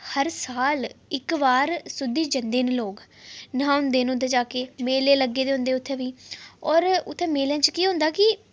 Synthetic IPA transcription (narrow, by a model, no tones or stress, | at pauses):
həɾsaːlɪkʋaːɾsʊd̪ːiːd͡ʒənd̪eːnloːɡnãːʊ̃nd̪eːñːnd̪eːd͡ʒaːkeːmeːleːləɡːeːd̪eːɦʊ̃nd̪eːʊt̪ʰːẽːʋiːɔːɾʊt̪ʰːẽːmeːljãːt͡ʃkiːɦʊ̃nd̪aːkɪ